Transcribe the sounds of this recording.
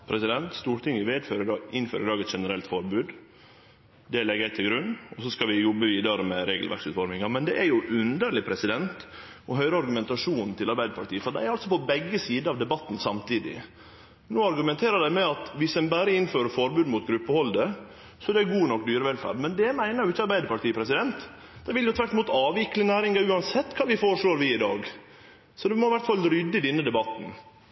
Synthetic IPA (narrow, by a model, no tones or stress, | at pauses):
pʰɾɛsɪd̪ɛnt̪st̪uːɾʈ̪ʰɪŋəʋeːd̪føːɾɪdɑːɪnːføːɾɪd̪ɑːɡɛt̪ʂɛnəɾɛlt̪fɔɾbʉːd̪ | d̪ɛlɛɡæɪt̪ʰɪlɡɾʉnːɔsɔskɑʋɪjɔbəʋiːd̪ɑɾəmɛɾeːɡəlʋæ̰ɾksʉːt̪fɔɾmɪŋɑmɛnd̪ɛʔæɾjʊʔʉnd̪əɾlɪpʰɾɛsɪd̪ɛnt̪ | ɔɦœʏɾəɑɾɡʉmɛnt̪ɑʂuːnnt̪ʰɪlɑɾbæɪd̪əpɑʈ̪ʰiːəfɔɖ̪æɪæɾɑlt̪sɔpɔbɛɡːəsiːd̪əɑʋd̪ɛbɑt̪ːn̩sɑmt̪ʰiːd̪ɪ̰ | noːɑɾɡʉmɛnt̪ʰeːɾəd̪æɪmɛɑt̪ʋɪsɛnbæːɾəɪnføːɾəfɔɾbʉːd̪mʊt̪ɡɾʉpːəhɔld̪ə | sɔæɖ̪ɛæɡuːnɔk̚ːd̪yːɾəʋɛlfæ̰ːɾɖmɛnd̪ɛmæɪnəɾjʊɪçːɑɾbæɪd̪əɾpɑɾʈiːəpʰɾɛsɪd̪ɛnt̪ | d̪æɪʋɪljʊt̪ʰʋæɾʈ̪ɪmuːt̪ɑːʋɪkːlɪnæːɾɪŋɑʉːɑnsɛt̪ːkʰɑːʋɪfoːɾʂɭoːɾʋɪɪd̪ɑ̰ːɡ | sɔd̪ɛmɔɪʋæɾʈ̪fɑlɾʏd̪ːəd̪ɛnːəd̪ɛbɑt̪ːn̩